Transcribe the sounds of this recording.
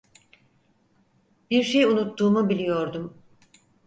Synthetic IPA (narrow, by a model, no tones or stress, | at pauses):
biɾʃejunut̪ːuːmubilʲijo̞ɾd̪um